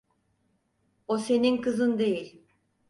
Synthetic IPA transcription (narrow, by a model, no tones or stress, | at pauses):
ose̞ninkɯzɯnd̪ejilʲ